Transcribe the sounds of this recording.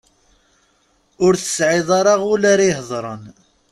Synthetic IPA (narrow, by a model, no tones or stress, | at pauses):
ʊɾθə̥sʕɪðˤɑɾˤɑʁʊlaɾiɦðˤɾˤə̰n